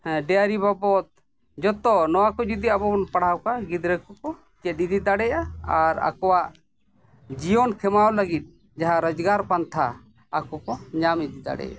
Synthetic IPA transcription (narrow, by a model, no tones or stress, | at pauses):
ɖɛjaɾibabɔt̪̚ | d͡ʒɔt̪ɔnɔwakɔd͡ʒud̪iabɔnpaɽawkaɡid̪ɾɛkɔkɔ | t͡ʃɛt̪̚id̪id̪aɽɛjaaɾa̰kɔwaʔ | d͡ʒijɔnkʰɛmawləɡit̪̚ˀ | d͡ʒaɦaɾɔd͡ʒɡaɾpant̪ʰaː | kɔkɔɲamid̪id̪a̰ɽɛ̰ja̰